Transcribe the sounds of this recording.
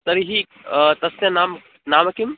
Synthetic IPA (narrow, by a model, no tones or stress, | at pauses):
t̪ɐɾiɦi | t̪ɐsnʲɐnaːm | naːmɐkim